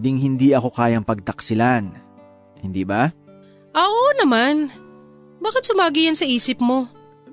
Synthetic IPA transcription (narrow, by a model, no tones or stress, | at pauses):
d̪ɪŋɦɪnd̪iʔɐko̞kaːjɐŋpɐɡ̚t̪ɐksɪlan | hɪnd̪iba | ʔɐʔonɐman | baːkɪt̪̚sʊmaːɡijɐnsɐʔiːsɪpmo̞